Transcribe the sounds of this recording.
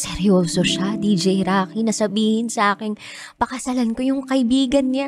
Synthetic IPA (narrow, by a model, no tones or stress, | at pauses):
sɛɾjoːsoʃad̪iːd͡ʒɛjɾaːkinɐsɐbiːhɪnsɐʔaːkɪŋ | pɐkɐsɐlankojʊŋkɐʔɪbiːɡɐnːa